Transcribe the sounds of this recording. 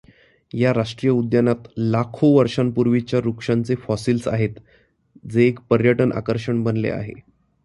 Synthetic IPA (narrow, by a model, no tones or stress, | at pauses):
jaɾaʂʈɾijəud̪janat̪lakʰoʋəɾʂanpuɾʋit͡ɕjaɾukʂant͡sefɔsiːlsa̰ɦet̪ | d͡zeːkpəɾjəʈənʔa̰kəɾʂəɳbənlḛa̰ɦḛ